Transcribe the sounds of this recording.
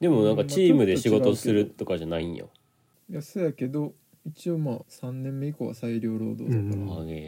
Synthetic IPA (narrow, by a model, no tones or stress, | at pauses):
d̪e̞monãŋkat͡ɕiːmɯd̪e̞ɕiɡo̞osɨɾɯ̟t̪o̞kaʑanaĩjo̰ | jasɨjake̞d̪o̞ | it͡ɕio̞maːsãnːẽ̞mːeikoːβa̰saiɾʲo̞ːɾo̞̰ːd̪o̞̰ːd̪oe